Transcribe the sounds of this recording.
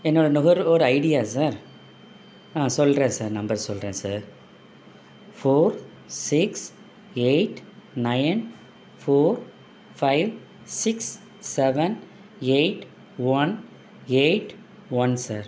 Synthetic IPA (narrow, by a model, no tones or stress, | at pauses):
ɛnːoːɽɐnʊɣɐɾɔɾɯɐɪɽɪjaːs̬aːɾ | ãːsɔlɾẽːsaːɾnɐmbɐɾsɔlːɾẽːsaːɾ | foːɾ | sɪks | eɪʈnɐɪn | foːɾ | fɐɪʋ | sɪksː | ɛʋɛn | eɪʈ | ʋɐn | eʈ | ʋɐnsaːɾ